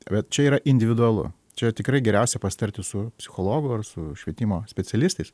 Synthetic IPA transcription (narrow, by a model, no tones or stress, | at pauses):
bʲɛt̪t͡ʃʲɛiːɾɐʔɪnʲd̪ʲɪʋʲɪd̪ʊɐlˠʊ̰ | t͡ʃʲɛt̪ʲɪkɾɐɪɡʲɛɾʲɛʊsʲɛpɐsʲɪ̥t̪ɐɾʲt̪ʲɪsʊpʲsʲɪxoːlˠoːɡʊɐrsʊʃʲʋʲiɛt̪ʲimoːsʲpʲɛt͡ssʲɛlʲɪst̪ɐɪs